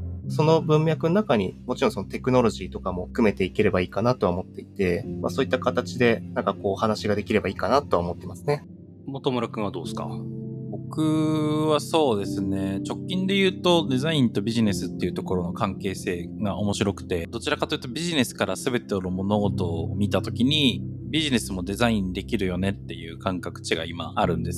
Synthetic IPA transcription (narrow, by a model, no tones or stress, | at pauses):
so̞no̞bɯ̟̃mʲjakɯno̞nakaɲ̟imo̞t͡ɕiɾõsoot̪e̞kɯ̟no̞ɾo̞ʑiːt̪o̞kamo̞ɸɯ̥kɯ̟me̞t̪e̞ike̞ɾe̞baiːkanat̪o̞aomo̞t̪ːe̞it̪e̞maso̞ːit̪ːakat̪at͡ɕid̪e̞nãŋkako̞ːhanaɕiɡad̪e̞kʲiɾe̞baiːkanat̪oaomo̞t̪ːe̞imasɨ̥ne̞ | mot̪omoɾakɯ̟ɰ̃βad̪o̞ːsɨ̥ka̰bo̞kɯ̟βaso̞ːd̪e̞sɨne̞t͡ɕo̞kʲːĩnd̪e̞jɯ̟ːt̪o̞d̪e̞zaĩnt̪o̞bʲiʑine̞sɨt̪ːe̞iɯ̟t̪o̞ko̞ɾo̞no̞kãŋke̞ːse̞ːɡaʔo̞mo̞ɕiɾo̞kɯ̟̥t̪e̞d̪o̞t͡ɕiɾakat̪o̞jɯt̪o̞bʲiʑine̞sɨ̥kaɾasɨbe̞t̪enomo̞no̞ɡo̞t̪o̞ːmʲit̪at̪o̞kʲiɲ̟ibʲiʑine̞sɨmo̞d̪e̞zaĩnd̪e̞kʲiɾɯ̟jo̞ne̞t̪ːe̞jɯ̟ːkãŋkakɯ̟̥t͡ɕiɡa̰ima̰ʔaɾɯ̟̃nd̪es